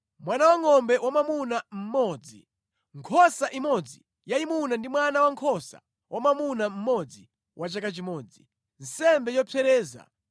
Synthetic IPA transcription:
mwanawaŋɔmbɛwamamunam̩mɔːd͡zi | ŋkʰɔsaʔimɔd͡zi | jaimunandimwanawaŋkʰɔsa̰ | wʔamamunam̩mɔd͡zi | wʔat͡ʃakat͡ʃimɔːd͡zi | n̩sɛmbɛjɔpʰɛɾɛːza̰

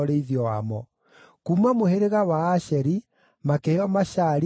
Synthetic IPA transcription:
ɔɾeiðiɔwamɔ | kumamoheɾeɣawaːɕɛɾi | makɛɔmaɕaɾ

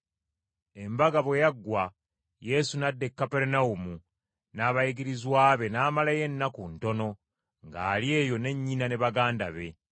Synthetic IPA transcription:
e̞mbaɡaβwejaɡːwa | je̞sunadːe̞kːapeɾenaumu | naːβajiɡiɾizwaːβe̞naːmalaje̞nːakunto̞no̞ | ŋɡa̰ːlje̞ːjo̞ne̞ɲːinane̞βaɡaːnda̰βe̞

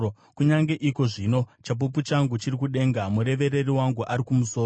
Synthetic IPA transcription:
kuɲaŋɡe̞ʔiko̞ʐino̞t͡ʃap̬uput͡ʃaŋɡut͡ʃirikuɗe̞ŋɡamuɾe̞ʋe̞ɾe̞riwaŋɡuʔaɾikumuso̞ː

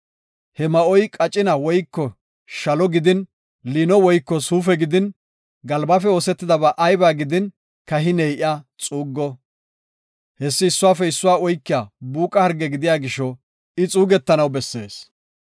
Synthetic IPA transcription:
hɛmɐʔɔjkʼɐt͡ʃʼːɪnɐwɔjkːɔ | ʃɐlɔɡɪd̪ɪn | liːnɔwɔjkːɔsuːfɛɡɪd̪ɪn | ɡɐlbafɛo̞ːsɛt̪ːɪd̪ɐbaːʔɐjbaːɡɪd̪ɪn | kɐɦɪnɛjʔɪat͡sʼuːɡːɔ | hɛsːɪːsːʊwaːfɛɪsːʊwaːɔjkːɪjabuːkʼɐhɐɾɡɛɡɪd̪ɪjaːɡɪʃɔ | ɪt͡sʼuːɡɛt̪ːɐnɐwbɛsːe̞̰ːs

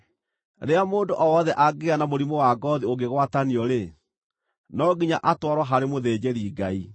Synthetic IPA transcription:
ɾeamoːndoʔɔwɔðɛʔaɡeanamoɾimowaɡɔðioɡeɣwataniɔɾe | nɔɡiɲaʔatwaɾwaɦaɾemoðeːd͡ʑeɾiɡai

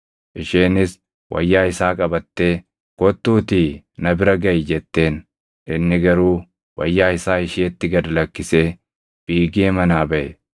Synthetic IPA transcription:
ʔɪʃeːnɪs | wʔɐ̰jːaːɪsaːkʼɐbɐt̪ːe̞ː | kɔt̪ːuːt̪iː | nɐbɪɾɐɡɐjɪd͡ʒɛt̪ːe̞ːn | ʔɪnːɪɡɐɾuː | wɐ̰jːaːɪsaːɪʃeːt̪ːɪɡɐd̪ɐlɐkːɪse̞ː | b̥iːɡeːmɐnaːbɐʔɛ

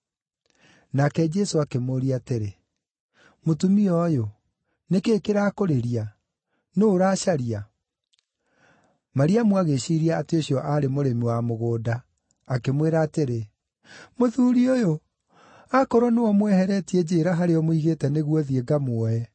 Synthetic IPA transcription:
nakɛd͡ʒɛsoakemoɾiateɾe | motumiɔjo | nekeːkeɾakoɾeɾia | noːɾaɕaɾia | maɾiamwaɣeɕiːɾiaːteoɕjɔʔaɾemoɾemiwamoɣoːdaː | kemweɾaːteɾe | moðuːɾiojo | akɔɾɔnewɔmwɛhɛɾɛtiɛd͡ʑeːɾaɦaɾeɔmoiɣetɛneɣwɔðieɡamwɔɛ

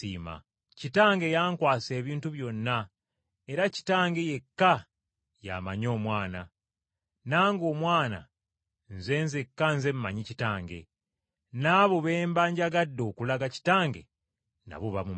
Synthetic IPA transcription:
ḭːma̰ | citaːŋɡe̞jaːŋkwaːse̞ːβiːntuβjo̞nːa | e̞ɾaci̥taːŋɡe̞je̞kːa | ja̰maɲo̞ːmwaːna | naːŋɡo̞ːmwaːna̰ | nze̞nzekːanze̞mmaɲicitaːŋɡe̞̰ | naːβo̞βeːmbaːɲɟaɡadːo̞ːkulaɡaci̥taːŋɡe̞̰ | na̰βuβamu

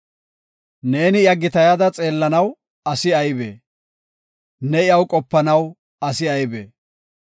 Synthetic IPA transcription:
ne̞ːnɪjɐɡːɪt̪ɐjɐd̪ɐt͡sʼe̞ːlːɐnɐw | ɐsɪɐjbḛː | nɛɪɐwkʼɔpːɐnɐw | ɐsɪɐjbḛː

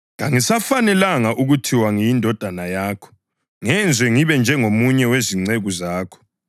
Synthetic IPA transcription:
ŋaŋisafanɛlaŋaʔuɣutʰiwaŋijindʱɔd̥ʱanajaːkʰɔ̥ | ŋɛnd͡zʱwɛŋiβɛnd͡ʒʱɛŋomuɲɛweziŋ͡ǀeɣuzaːkʰɔ̥

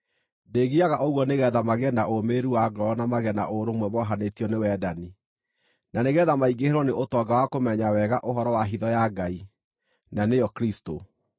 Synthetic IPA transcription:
deːɣiaɣaʔɔɣwɔneɣɛðamaɣɛnaʔomeːɾuwaɡɔnamaɣɛna̰ʔoɾomwɛβɔɦanetiɔnewɛːdani | naneɣɛðamaiɡeheɾwɔneʔotɔɡawakomɛɲawɛɣaʔoɦɔɾɔwaɦiðɔjaɡai | nanejɔkɾisto

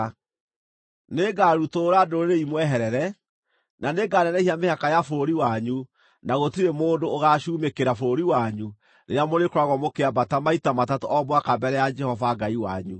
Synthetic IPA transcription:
neɡaɾutoːɾadoɾeɾeimwɛɦɛɾɛɾɛ | naneɡaːnɛnɛhiamehakajafoɾiwaɲu | naɣotiɾemoːndooɣaʃuːmekeɾafoɾiwaɲu | ɾeɾjamoɾekoɾaɣwɔmokeabatamaitamatatoʔɔbwakabɛɾɛjad͡ʒɛhɔvaɡaiwa̰ɲṵ

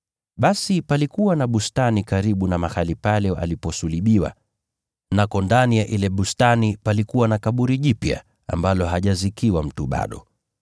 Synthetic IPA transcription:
ɓasipalikuwanaɓustanikaɾiɓunamaxalipalɛa̰lipɔsuliɓiwa̰ | nakɔndanijaʔilɛɓustanipalikuwanakaɓuɾiʄipja̰ | a̰mbalɔɦaʄazikiwam̩tuɓa̰ɗɔ̰

